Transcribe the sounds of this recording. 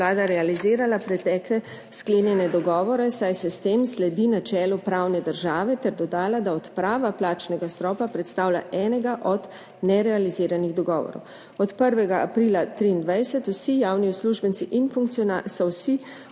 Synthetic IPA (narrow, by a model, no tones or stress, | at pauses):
laːd̪aɾɛaliziːɾalapɾɛt̪ɛːklɛ | skleːnjɛnɛd̪ɔɡɔːʋɔɾɛsajsɛst̪eːmslɛd̪inat͡ʃɛːlɔpɾawnɛd̪əɾʒaːʋɛt̪ɛɾd̪ɔd̪aːlad̪aɔt̪pɾaːʋaplaːt͡ʃnɛɡast̪ɾɔːpapɾɛt̪st̪aːwlʲa̰ʔɛːnɛɡaʔɔd̪ | nɛɾɛaliziːɾaniɣd̪ɔɡɔːʋɔ̰ɾɔ̰w | ɔt̪pəɾʋɛɡaʔːpɾilat̪ɾiːnd̪ʋajsɛt̪uwsijaːwniusluʒbənt̪siʔinfuŋkt̪snasɔwsi